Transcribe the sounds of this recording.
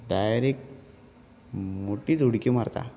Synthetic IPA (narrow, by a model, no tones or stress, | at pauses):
ɖajɾek̚ | moʈiːd͡zʱuɽkimaɾt̪a̰